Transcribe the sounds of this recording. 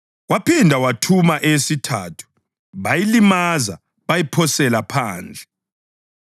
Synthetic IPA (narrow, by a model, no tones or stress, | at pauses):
ɣwapʰindʱawatʰumaʔesitʰaːtʰu̥ | βajilimaza̰ | βajipʰɔsɛlapʰaːnd͡ɮʱɛ